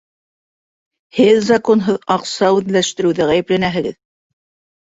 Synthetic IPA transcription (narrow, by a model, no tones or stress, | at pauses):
hɘðzɐko̞nɦɤðɑqsɑʉðlæʃt̪ɘ̆ɾɘ̆wðɘʁæjɘ̆plænæɦɘ̆ɡɘ̰ð